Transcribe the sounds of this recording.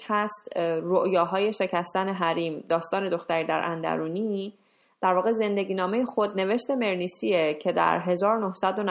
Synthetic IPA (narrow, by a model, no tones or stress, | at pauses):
hæst̪ɾoʔjɒːɦɒːje̞ʃe̞cʰæst̪æne̞ɦæɾiːmd̪ɒːst̪ɒːne̞d̪o̞xt̪æɾiːd̪æ̰ɾʔæ̰nd̪æ̰ɾuːniː | d̪̥æɾvɒːɣeze̞nd̪e̞ɟiːnɒːme̞jexod̪̚ne̞ve̞ʃt̪e̞me̞ɾniːsiecʰed̪æ̰ɾɦe̞zɒːɾonohsæd̪on